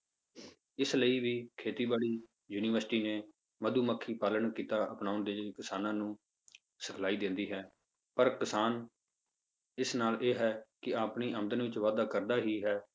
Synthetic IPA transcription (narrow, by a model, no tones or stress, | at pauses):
ɪsləiːʋiːkʰeːt̪iːbaːɽiː | juːniːʋəɾsʈiːneː | məd̪uːməkʰːiːpaːləɳkiːt̪aːʔəpnaːʊnd̪eːkɪsaːnãːnũː | səkʰlaːiːd̪ɪ̃ːnd̪iːɦɛː | pəɾkɪsaːn | ɪsnaːlʔeːɦɛːkɪaːpniːʔəmd̪ənʋɪt͡ʃʋaːd̪aːkəɾd̪aːɦiːɦɛː